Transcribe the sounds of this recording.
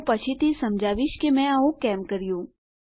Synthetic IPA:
pət͡ʃʰit̪ʰisəmd͡ʒʱaːʋiʃkemɛ̃aũkɛmkəɾijũ

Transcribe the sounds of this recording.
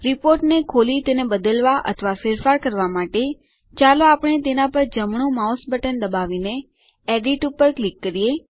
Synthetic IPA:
ɾipoɾʈnekʰolit̪enebəd̪əlʋaʔə̰t̪ʰʋafeɾfaɾkəɾʋamaʈe | t͡ʃaloapəɳ̃et̪enãpəɾd͡ʒəmɳ̃ũmaosbʱəʈənd̪əbaʋine | eɖiʈupəɾklikːəɾije

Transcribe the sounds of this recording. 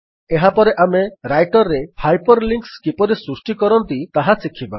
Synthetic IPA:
eɦapɔɾeʔameɾajʈɔɾːehajpɔɾliŋkskipɔɾesɾusʈikɔɾɔnt̪it̪aɦasikʰːiba̰

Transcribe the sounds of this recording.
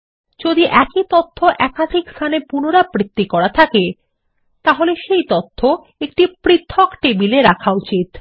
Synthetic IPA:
d͡ʑod̪iʔɛkit̪ot̪ʰːoʔɛkad̪ʱikst̪ʰanepunoɾapɾit̪ːikɔɾat̪ʰake | t̪aɦoleʃejt̪ot̪ʰːo | ek̚ʈipɾit̪ʰːokʈebileɾakʰaut͡ɕit̪

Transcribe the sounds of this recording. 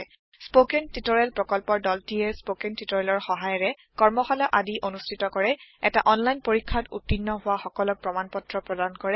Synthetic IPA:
spokɛntutɔɹɛlpɹɔkɔlpɔɹdɔltiɛspokɛntitɔɹɛlɔɹxɔɦajɔɹɛ | kɔɹmɔxalɔʔadiʔonustʰitɔkɔɹɛɛta̰ʔɔnlajnpoɹikʰːatṵtːinːɔɦʊwaxɔkɔlɔk̚pɹɔmanpɔtɹɔpɹɔdankɔɹɛ

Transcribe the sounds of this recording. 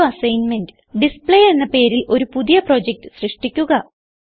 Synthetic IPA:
ɐsɐjnme̞ndɨ | ɖispɭeje̞nːɐpe̞ːɾilʔo̞ɾupuðijɐpro̞ːd͡ʑek̚ʈɨ̥srɨʂʈikʲːuɣɐ

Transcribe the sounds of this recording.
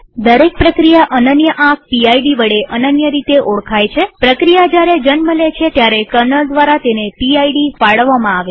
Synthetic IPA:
d̪əɾek̚pɾəkɾijaʔənənjəʔãk̚ʰpiajɖiʋəɽeʔənənjəɾit̪eʔoɭkʰajt͡ʃʰepɾəkɾijad͡ʒjaɾed͡ʒənməlet͡ʃʰet̪jaɾekəɾnəld̪ʋaɾat̪enepiajɖifaɭʋːamãaʋe

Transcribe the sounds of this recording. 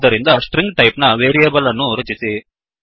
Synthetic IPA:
d̪ɐɾind̪ɐsʈɾiŋɡʈɐjpnɐʋeːɾiɐbɐlɐnːuɾɐt͡ʃːisi

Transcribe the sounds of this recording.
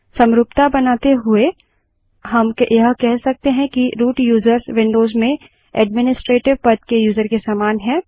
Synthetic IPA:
sɐ̃mɾʊpt̪abɐnaːt̪eɦʊe | ɦɐmkeʔjɐɦkɛɦsɐk̚t̪eɦɛ̃kiɾuːʈjuːzəɾsʋɪ̃ɳɖoːzmẽ | ɛ̰ːɖmɪnɪsʈɾeːʈɪʋpɐt̪kejuːzəɾkesaːmaːnɦɛ̃ː

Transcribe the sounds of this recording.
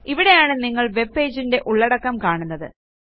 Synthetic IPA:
iʋiɽe̞jaːɳɨniŋːɐɭʋe̞bːe̞ːd͡ʑinde̞ʔuɭːɐɽɐkːɐmkaːɳunːɐðɨ̰

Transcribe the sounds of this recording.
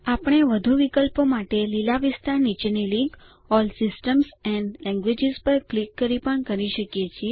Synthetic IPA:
apɳ̃eʋəd̪ʱuʋikəlpomaʈelilaʋɪst̪aɾnit͡ʃenilĩŋk | ɔlsɪsʈəmsɛnɖlɛ̃ŋɡʋed͡ʒɪzpəɾklikːəɾipəɳkəɾiʃəkjet͡ʃʰie

